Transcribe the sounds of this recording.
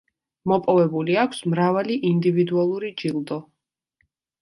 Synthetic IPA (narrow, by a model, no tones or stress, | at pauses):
mɔpʼɔvɛbuliakʷʰsmɾavaliʔind̪ivid̪ualˠuɾid͡ʒilˠd̪ɔ